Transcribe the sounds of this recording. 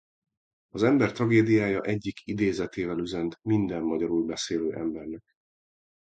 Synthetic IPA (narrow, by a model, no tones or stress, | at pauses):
ɒzɛmbɛrt̪rɒɡeːd̪ijaːjɒʔɛɟːikʰid̪eːzɛt̪eːvɛlyzɛnt̪mind̪ɛmːɒɟɒɾulbɛseːløːʔɛmbɛrnɛk̚